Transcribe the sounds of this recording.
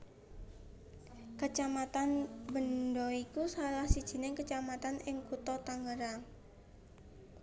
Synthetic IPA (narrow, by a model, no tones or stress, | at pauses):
kət͡ʃamat̪anbəndɔikusalahsid̥ʒ̥i̤nɪkət͡ʃamat̪anɪŋkut̪ɔt̪aŋɡəɾa